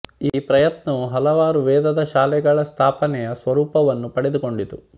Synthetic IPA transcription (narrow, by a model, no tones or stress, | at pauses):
iːpɾɐjɐt̪nɐuɦɐlɐʋaːɾuʋɛːd̪ɐd̪ɐʃaːlɛɡɐɭɐst̪ʰaːpɐnɛjɐsʋɐɾuːpɐʋɐnːupɐɽɛd̪uko̞ɳɖit̪u